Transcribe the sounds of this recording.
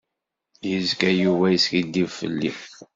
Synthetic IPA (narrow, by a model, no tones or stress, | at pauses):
jizkæjuvæjiskid̪ːivfə̰lːḭ